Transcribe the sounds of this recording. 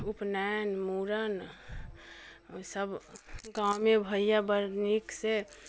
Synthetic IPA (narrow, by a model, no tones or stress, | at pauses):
upnɛnmuɾən | səbɡaʊmebʱəjjabəɾnikse